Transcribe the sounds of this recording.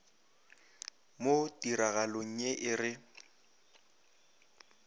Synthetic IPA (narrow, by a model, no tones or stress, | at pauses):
motʼiɾaɣaloŋ̩ɲeʔɪrɪ